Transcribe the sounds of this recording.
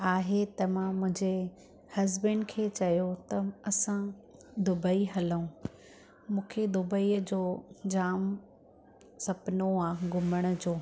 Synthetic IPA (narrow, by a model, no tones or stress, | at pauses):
aːɦet̪ɐmãːmʊ̃ɦɪ̃ɲd͡ʑe | hɐzbə̃ɳɖkʰeːt͡ɕɐjot̪ɐɐsãd̪ʊbəiɦɐləũ | mũːkʰed̪ʊbəiːəd͡ʑoːd͡ʑaːm | sɐbnoaːɡʊməɽ̃ʊ̆d͡ʑoː